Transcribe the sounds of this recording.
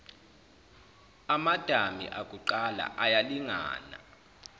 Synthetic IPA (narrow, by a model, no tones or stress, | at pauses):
amad̥ʱamḭʔakʼuǃala̰ʔajaliŋa̰ːna̰